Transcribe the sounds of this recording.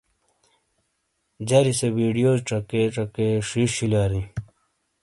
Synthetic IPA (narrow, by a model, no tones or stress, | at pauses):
d͡ʑɐɾisebiɖijoːzʈ͡ʂɐkeʈ͡ʂɐkeʂiɕilaːɾĩ